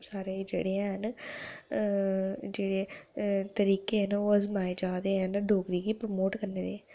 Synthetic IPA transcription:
saːɾeːd͡ʒḛːɽẽɦn | d͡ʒeːɽet̪əɾiːkeːɦənoːəzmaːeːd͡ʒaːd̪eːɦɛ̃nɖoːkɾiːɡiːpɾəmoːʈkəɾneːd̪eː

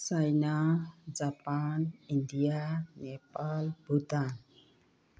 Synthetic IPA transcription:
sajnad͡ʒapanind̪ianɛpalbut̪an

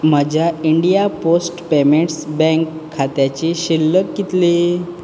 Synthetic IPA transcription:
m̤əd͡ʑjaiɳɖijaposʈpemeɳʈsbɛ̃ŋkʰːat̪jat͡ɕiɕilːəkːit̪li

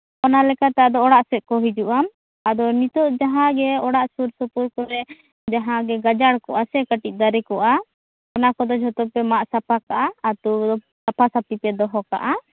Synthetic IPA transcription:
ɔnalɛkat̪aad̪ɔːɽaʔsɛʔ̚kɔɦid͡ʒuʔam | ad̪ɔnit̪ɔʔd͡ʒaɦãɡɛɔɽaʔsuɾsɔpuɾkɔɾɛ | d͡ʒaɦãɡɛɡad͡ʒaɽkɔʔasɛkəʈic̚ˀd̪aɾɛkɔʔa | ɔnakɔd̪ɔd͡ʒʱɔt̪ɔpɛmaʔsapakaʔaːt̪uɔ | sapʰasap̚t̪ipɛd̪ɔɦɔka̰ʔa

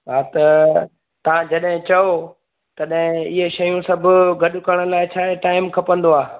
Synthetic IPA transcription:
ɦaːt̪ɐ | t̪ɐʋ̤ãd͡ʑɐɗɦɪ̃t͡ɕɐo | t̪ɐɗɦɪ̃ɪɦeʃɐjũsɐbʱʊ̆ɡɐɗʊkɐɽ̃̆laːɪt͡ɕʰaːɦeʈaːɪmkʰɐpə̃nd̪oaː

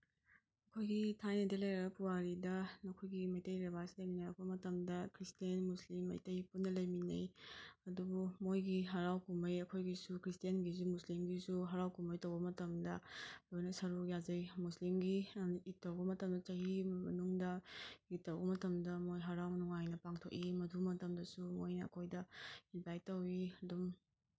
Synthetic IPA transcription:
ɐkʰojɡitʰajnɐdelejɾɐɡɐpuwaɾidɐnɐkʰojɡimɐjtɐjɾebasilɐjminɐjɐkʰomɐtɐmdɐkʰɾistienmuslimːɐ̰jtɐjpunːɐlɐjminɐ̰jɐdubumojɡiɦɐɾawkumbɐjɐkʰojɡisukʰɾistijanɡizumuslimɡizuɦɐɾawkumbɐjtɐwbɐmɐtɐmdɐlojnɐsɐɾukjazɐjmuslimɡiitːɐwbɐmɐtɐmdɐt͡ʃɐɦimɐ̰nuŋdɐitːɐwbɐmɐtɐmdɐmojɦɐɾawnuŋajnɐpaŋtʰo̰kimɐdumɐtɐmdɐsumojnɐ̰ːkʰojdɐibajtːɐwiɐdum

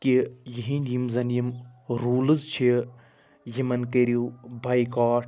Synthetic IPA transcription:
kijiɦĩdimzɐnijimɾuːlɨzt͡ʃʰi | jimɐnkeɾijuːbʱaːikaːʈʰ

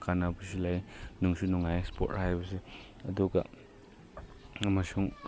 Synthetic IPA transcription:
kʰanabisilajnuŋsunɔŋajspo̰t̚hajbɐs̬e | ɐduɡɐ̰ | ɐmasuŋ

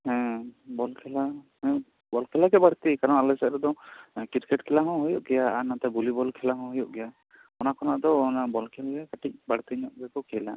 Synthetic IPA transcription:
hɛ̃bɔlkʰɛlahɔjɔʔ | bɔlkʰɛlaɡɛbaɽt̪ikaɾɔnalɛsɛʔɾɛd̪ɔkiɾkɛʈkʰɛlaɦɔ̃ɦɔjɔʔɡɛjaːnat̪abulibɔlkʰɛlaɦɔ̃ɦɔjɔʔɡɛja | ɔnakɔnaʔd̪ɔːnabɔlkʰɛlɡɛkaʈic̚baɽt̪iɲɔʔ̚bɛkɔkʰɛjla

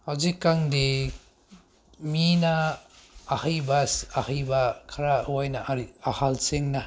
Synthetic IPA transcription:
hawzikːaŋde | minaː | hɐjbaahajbakʰɐɾawajnaahalseŋna

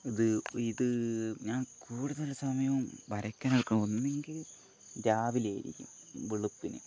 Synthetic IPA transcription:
iðɨiðɨɲaːnkʰuːɽuðɐlusɐmɐjɐʋumbɐɾɐkʲːaːnɐɽkːɐɳo̞nːeŋɡil | daːʋileːjḭɾḭkʲːṵm | ʋiɭupːinɨ̰

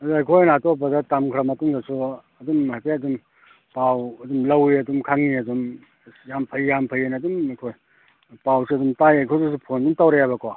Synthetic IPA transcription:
ɐzajkʰojnatopɐdɐtamkʰɾamɐtuŋdɐsʰuɐdumajkʰejɐdum | pawɐdumlɐwiɐdumkʰaŋniɐdum | jampʰɐjjampʰɐjenaɐdumɐjkʰoj | pawsuɐdumtajajkʰojsus̬upʰondumtawɾejabɐko

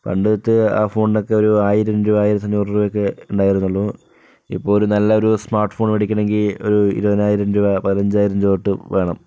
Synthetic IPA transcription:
pɐ̰ɳɖɨðɐt̪ːɨa̰ːfo̞ːɳno̞kːe̞oɾuaːjiɾɐɲɾuaːjiɾɐt̪ːɐnjuːrruʋjokːeuɳɖaːjiɾunːuɭːɐ | ḭpːo̞ːlunɐlːɐo̞ɾusmaːrʈfo̞ːɳpɐɽikʲːɐɳe̞ŋɡilo̞̰ɾuḭɾuʋɐnaːjiɾɐmd͡ʑuɐpɐðlɐɲd͡ʑaːjiɾɐmd͡ʑoːrʈːɨʋe̞ːɳɐm

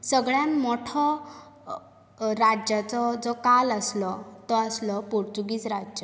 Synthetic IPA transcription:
səɡɭjãnmɔʈʰɔ | ɾad͡ʑjat͡sɔd͡zɔkaləslɔt̪ɔəslɔpuɾt͡suɡiːt͡sɾad͡ʑjə

